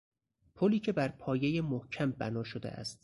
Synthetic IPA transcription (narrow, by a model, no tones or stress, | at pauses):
pʰoliːcʰe̞bæɾpʰɒːjejemohcʰæmbæ̰nɒːʃod̪ḛʔæ̰st̪